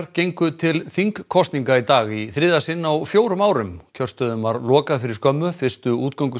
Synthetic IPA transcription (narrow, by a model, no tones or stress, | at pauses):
ɾcejŋkʏt̪ʰɪlθiŋkkʰːɔst̪niŋkait̪aːɣiθɾɪːðasɪnːawfjoːwɾʏmaːwɾʏmcʰœr̥st̪œðʏmaɾlɔːkaðfɪɾɪɾ̥skœmːʏfɪr̥st̪ʏuːt̪̚kawŋkʏ